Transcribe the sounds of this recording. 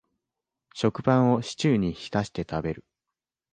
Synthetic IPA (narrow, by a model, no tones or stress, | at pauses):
ɕo̞kɯ̟bãɰ̃o̞ɕi̥t͡ɕɨːɲ̟içi̥t̪aɕi̥t̪e̞t̪abe̞ɾɯ̟